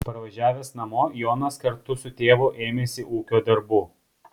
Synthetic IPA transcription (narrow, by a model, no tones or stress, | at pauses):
pɐɾʋɐʒʲæːʋʲeːsnɐmoːjoːnɐskɐɾt̪ʊsʊt̪ʲeːʋʊʔeːmʲeːsʲɪʔuːkʲoːd̪ɐɾbuː